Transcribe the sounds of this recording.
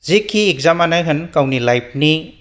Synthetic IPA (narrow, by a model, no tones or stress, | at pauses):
zikʰiːk̚zamanajɦɯnkawnilajp̚ʰni